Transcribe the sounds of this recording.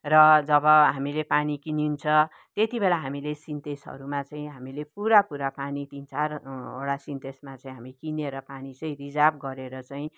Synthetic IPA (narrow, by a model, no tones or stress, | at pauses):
rʌd͡zʌbʌɦamilepanikinint͡sʰʌ | t̪et̪ibelaɦamilesint̪esɦʌ̰ɾumat͡saĩɦamilepuɾapuɾapanit̪int͡saroɽasint̪esmat͡sʌĩɦamikineɾʌpanit͡sʌĩɾid͡zab̚ɡʌɾeɾʌt͡saĩ